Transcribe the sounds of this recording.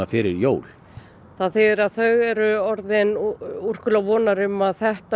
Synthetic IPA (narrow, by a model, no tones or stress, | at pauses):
afɪɾɪɾjoːwl | θaðθɪːðɪɾaðθœɣɛɾʏɔɾðɪnur̥kʏlavɔːnaɾʏmːaðθɛht̪a